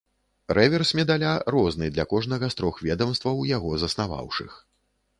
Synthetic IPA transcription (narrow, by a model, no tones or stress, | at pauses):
ɾʔɛvʲɛrsʲmʲɛd̪alʲarɔznɨd̪lʲɐkɔʐnɐɣɐst̪ɾɔxvʲɛd̪ɐmst̪vɐwjaɣɔzɐsnava̰wʂɨ̰x